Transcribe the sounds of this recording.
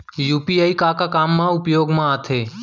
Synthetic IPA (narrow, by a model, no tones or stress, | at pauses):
juːpiaːikakakaːmːãʊpjoːɡmãat̪ʰeː